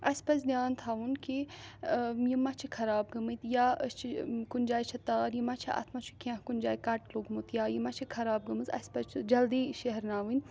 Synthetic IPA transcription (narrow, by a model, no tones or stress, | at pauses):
ɐspɐsd̪ʲjaːnt̪ʰaːʋunki | jimɐt͡ʃʰikʰɐɾaːbɡɐmɨt̪jaəst͡ʃʰikunʲd͡ʒaːjt͡ʃʰɐt̪aːɾjimɐt͡ʃʰiɐ̰t̪ʰmɐt͡ʃʰu̥kʲãɦkunʲd͡ʒaːikɐʈloɡmut̪jaːjimɐt͡ʃʰikʰɐɾaːb̚ɡɐmɨzɐ̰spɐt͡ʃʰd͡ʒɐld̪iːʃɐɦɾnaːʋɨn